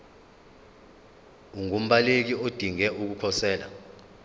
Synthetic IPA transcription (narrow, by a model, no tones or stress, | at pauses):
uŋum̩ɓalek̬iod̥ʱiŋɛuk̬ukʰɔsɛːla̰